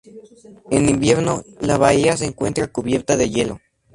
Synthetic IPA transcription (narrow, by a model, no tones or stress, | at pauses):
enimbje̞ɾno̞laβaias̬eːŋkwe̞̰nt̪ɾakuβje̞ɾt̪aðe̞ʝe̞lo̞̰